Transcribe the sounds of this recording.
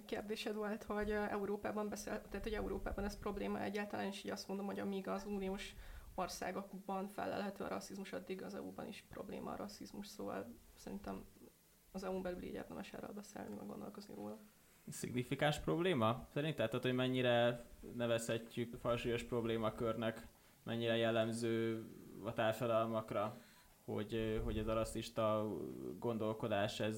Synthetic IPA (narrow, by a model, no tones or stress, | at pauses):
kerd̪eːʃɛd̪vo̞lt̪ho̞ɟɛuɾoːpaːbɒmbɛselt̪ɛɦːt̪ho̞ɟɛuɾoːpa̰ːbɒnɛspro̞bleːmɒ̰ʔɛɟːaːlt̪ɒlaːneːʃiːɟɒst̪mo̞nd̪o̞mho̞ɟɒmiɡɒzuːnioːʃo̞rsa̰ːɡo̞ɡbɒnfɛ̰lːɛ̰lɦɛt̪øːɒɾɒsizmuʃɒd̪ːiɡɒzɛ̰ṵbɒ̰nḭʃpro̞̰blḛːmʔɒːɾɒsːizmuʃsoːvɒ̰lsɛɾint̪ɛm | ɒzɛumbɛlylḭɟɛ̰ːrt̪ɛmʔɛʃɛ̰ro̰lbɛsɛ̰ːlniɛ̰ɡo̞̰nd̪o̞̰lko̞znḭvo̰ːlɒ | sḭɡnifikaːnʃpro̞bleːmɒsɛɾint̪ɛt̪ːot̪hoɟmɛɲːiɾɛnɛvɛshɛcːykfɒlʃuːjo̞ʃpro̞bleːmɒkørnɛk | mʔɛɲːiɾɛjɛlːɛmzøːɒt̪aːrʃɒd̪ɒlmɒkrɒ | ho̞̰ɟɦo̞ɟɛzɒɾɒsːiʃt̪ɒɡo̞nd̪o̞lko̞d̪aːʃɛz